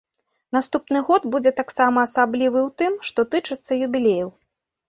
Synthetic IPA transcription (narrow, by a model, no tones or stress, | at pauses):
n̪ast̪upnɨɣɔd̪bud͡zʲɛt̪aksamɐːsablʲivɨwt̪ɨmʂt̪ɔt̪ɨt͡ʂɨt̪sːɐjubʲilʲejɐw